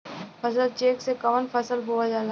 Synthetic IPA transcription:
pʰəsəlt͡ʃeːksekɐʋənfʰɐsəlɦoad͡ʒaːl

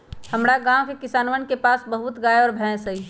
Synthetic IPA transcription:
həmɾaɡãːwkekɪsaːnʋənkepaːsbəɦʊt̪ɡaːeɔːɾbʱɛ̃ːsəɦi

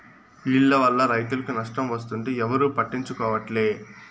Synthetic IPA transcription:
iɭːɐʋɐlːɐɾɐjt̪ulɐkunɐʂʈɐmʋɐst̪uɳʈeːɛʋɐɾuːpɐʈːiɲt͡ʃukɔːʋɐʈleː

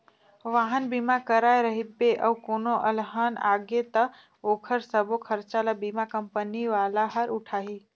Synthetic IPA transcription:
ʋaːɦənbimakəɾaeɾəɦibeʔəukoːnoʔəlɦana̰ːɡet̪ə | oːkʰəɾsəbokʰəɾt͡ʃalabimakəmpəniʋaːlaɦəɾʊʈʰaːɦiː

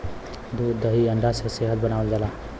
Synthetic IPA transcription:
d̪d̪əɦiə̃ɳɖʱaseseɦət̪̚bənaːʋəld͡ʒalaː

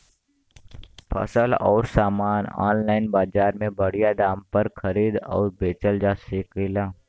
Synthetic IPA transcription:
pʰə̰səlɔ̰ːɾsaːmaːnɔ̰ːnlaːɪnbaːd͡ʒaːɾmẽbəɽ̤ijad̪aːmpəɾkʰəɾiːd̪ɔ̰ːɾbeːt͡ʃəld͡ʒaːsɪkɪlaː

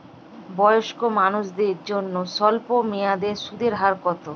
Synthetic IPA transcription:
bɔjoʃkomanuʃd̪eɾd͡ʑonːoʃɔlpomejad̪eʃud̪eɾɦaɾkɔt̪o

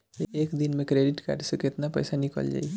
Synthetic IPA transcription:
eekd̪inmekɾeɖiʈka̰ɾɖsəket̪napə̰jsanikə̰ld͡ʒa̰j

